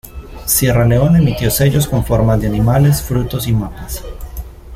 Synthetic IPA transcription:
sje̞rale̞o̞ne̞mit̪jo̞se̞ʝo̞sko̞ɱfo̞ɾmazd̪eanimale̞sfɾut̪o̞simapas

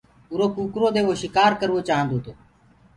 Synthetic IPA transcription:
ʊɾoːkuːkɾoːd̪eːʋoːʃɪkaːɾkəɾʋoːt͡ʃaːɦə̃nd̪oːt̪oː

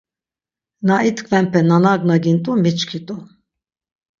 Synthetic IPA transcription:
nait̪ʼkʰvɛmpʰɛnanaɡnaɡint̪ʼumit͡ʃkʰit̪ʼu

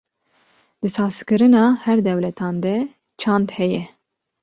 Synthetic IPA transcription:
d̪̥ɨsɑːskɨɾɨnɑːhɛɾd̪ɛwlɛt̪ʰɑːnd̪ɛ | t͡ʃʰɑnd̪hɛjɛ

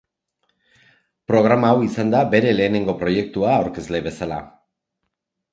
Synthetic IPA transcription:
pɾo̞ɣ̞ɾamaːwisand̪abe̞ɾe̞le̞ːne̞ŋɡo̞pɾo̞je̞k̚t̪uaːwɾke̞zle̞βe̞sala̰

